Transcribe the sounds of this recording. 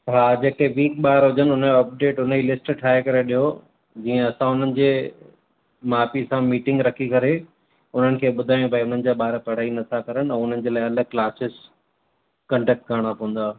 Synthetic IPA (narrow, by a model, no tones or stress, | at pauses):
ɦaːd͡ʑeːkeʋiːkɓaːɾɦʊd͡ʑənɪʊnəɐp̚ɖeːʈʊnəilɪsʈʈʰaːɦekɐɾeɗiɦo | d͡ʑĩːə̃ɐsãʊn̤ənɪ̆d͡ʑeː | maːpisãmiːʈɪ̃ŋɡɾɐkʰikɐɾe | ʊn̤ənɪ̆kʰeːɓʊd̪ʱaːj̃ũbʱaiʊn̤ənɪ̆d͡ʑaːɓaːɾpɐɽ̤aːinɐt̪ʰakɐɾəɽ̃ɛ̃ːʊn̤ənɪ̆d͡ʑeːlaːɪɐləɡ̚klaːsɪz | kɐ̃ɳɖɛːk̚ʈ̚kəɾɽ̃apɐ̃ɦə̃n̆d̪aː